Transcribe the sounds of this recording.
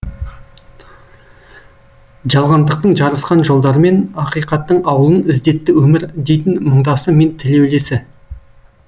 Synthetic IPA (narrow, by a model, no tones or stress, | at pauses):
ʒɑlˠʁɑnd̪əq̚t̪əɴʒɑɾəsqɑnʒo̞lˠd̪ɑɾəme̞nɑqijqɑt̪ːəɴɑwəlˠənɪzd̪e̞t̪ːɪwɵmɪɾd̪e̞jt̪ɪnməɴd̪ɑsəme̞nt̪ʰɪle̞wle̞sɪ